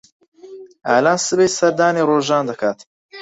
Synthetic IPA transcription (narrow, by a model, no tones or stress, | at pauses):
ʔaːlaːnsɨbejsɐɾd̪aːneːroːʒaːnd̪ɐkʰaːt̪